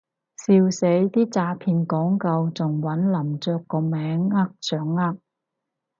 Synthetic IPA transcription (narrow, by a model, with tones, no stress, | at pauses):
siː˧wse˨˥jt̪iː˥t͡saː˧pʰiː˧nkɔː˨˥ŋkɐ˧wt͡sʊ˨ŋwɐ˨˥nlɐ˨˩mt͡sœː˨˧kːɔː˧mɛː˨˥ŋːa˥k̚t͡sœː˨˥ŋːa˥k̚